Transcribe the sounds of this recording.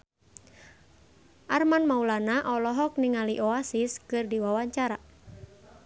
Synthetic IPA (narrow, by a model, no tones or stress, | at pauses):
ʔarmanmaulanaʔɔlɔɦɔk̚niŋaliʔɔasiskɨrdiwawaɲt͡ʃaɾa